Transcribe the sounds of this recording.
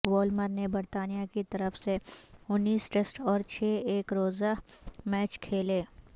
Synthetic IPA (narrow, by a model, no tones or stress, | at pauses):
wɔːlməɾnebɐɾt̪aːnijakit̪ɐɾəfseʊnːiːsʈesʈɔːɾt͡ʃʰɛːeːkɾoːzamɛːt͡ʃkʰeːleː